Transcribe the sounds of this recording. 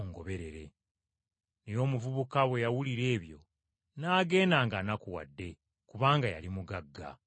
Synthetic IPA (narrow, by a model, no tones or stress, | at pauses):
oŋɡo̞βe̞ɾe̞ɾe̞ | nejo̞ːmuvuβukaβwe̞jawuliɾe̞ːβjo̞̰ | naːɡe̞ːnaːŋɡanakuwa̰dːe̞ | kuβaːŋɡaja̰limuɡaɡːa̰